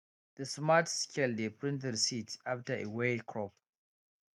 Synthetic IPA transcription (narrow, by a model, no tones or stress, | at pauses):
ðəsmatskʰɛldepɹɪ̃ntɛdsitʔaftəʔewekʰɹɔp̚